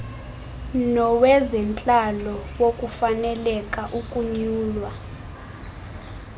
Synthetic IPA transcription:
nɔwɛzɛnt͡ɬʼalɔwokʼufanɛlɛkʼaʔukʼuɲuːlwa

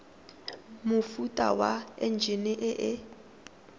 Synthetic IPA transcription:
mʊfutʼa̰waɛ̰n̩d͡ʒʱinɪʔɪʔɪ

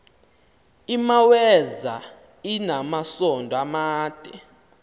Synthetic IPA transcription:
imawɛza | inamasɔndʱɔamaːd̥ʼɛ

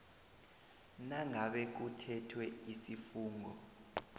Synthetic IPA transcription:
naŋʱaɓɛk̬utʰɛtʰwɛisifuːŋɡʱɔ

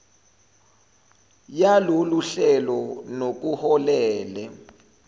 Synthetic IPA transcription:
jaloluɬɛlɔnok̬uhɔlɛːlɛ

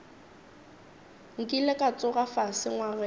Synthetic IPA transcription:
ŋ̩kʼilɛkʼat͡sʼʊɣafasɪŋwarɛ

